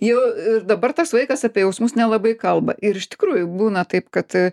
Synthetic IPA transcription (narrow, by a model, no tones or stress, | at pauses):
jɛʊɪrd̪ɐbɐrt̪ɐsʋɐɪkɐsɑpʲeɛjɛʊsmʊsnʲɛlˠɐbɐɪkɐlˠbɐʔɪɾɪʃtʲɪ̥kɾuːjʊbuːnɐt̪ɐɪpkɐt̪